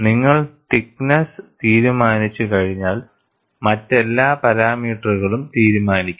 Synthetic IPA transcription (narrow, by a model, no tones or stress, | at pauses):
niŋːɐɭtiknɐst̪iːɾumaːnit͡ɕːɨkɐɻiɲːaːl | mɐtːe̞lːaːpɐɾaːmiːʈːɐruɣɐɭumt̪iːɾumaːnikʲːu